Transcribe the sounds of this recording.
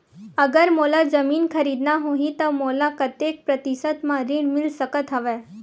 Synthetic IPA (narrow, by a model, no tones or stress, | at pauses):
əɡəɾmoːlad͡ʒəmiːnkʰəɾiːd̪naɦoːɦĩt̪ɐmoːlakət̪jeːk̚pɾət̪ɪsət̪mãɾɪɽmɪlsəkət̪ɦəʋeː